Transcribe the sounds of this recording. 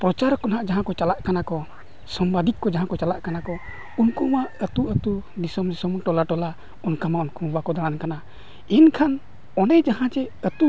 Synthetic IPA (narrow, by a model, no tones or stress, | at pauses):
pɾɔt͡ʃaɾkɔnaʔd͡ʒaɦãkɔt͡ʃalaʔkanakɔ | sɔmbad̪ikːɔd͡ʒaɦãkɔt͡ʃalaʔkanakɔ | unkɔwaʔət̪uʔət̪ud̪isɔmd̪isɔmʈɔlaʈɔla | ɔnkamaunkɔbakɔd̪aɽ̃ankana | inkʰan | ɔnɛd͡ʒaɦãt͡ʃɛət̪u